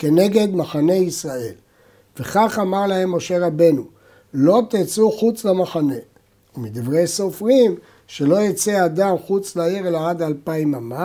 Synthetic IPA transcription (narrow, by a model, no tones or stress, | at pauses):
ke̞ne̞ɡe̞d̪maχane̞isʁae̞̰l | veχaχamaʁlahe̞mːo̞ʃe̞ʁabe̞nu | lo̞t̪it͡suχut͡slamaχane̞ | umid̪ivʁejso̞fʁim | ʃe̞lo̞jit͡sead̪amχut͡slaiʁelaad̪ːlpaimama